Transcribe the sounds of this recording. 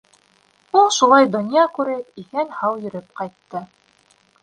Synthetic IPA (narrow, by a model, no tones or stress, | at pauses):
ulˠʃulˠɑjd̪ŏnʲjakʉɾɘpihænhɑwjɵ̆ɾɘp̚qɑjt̪ːɤ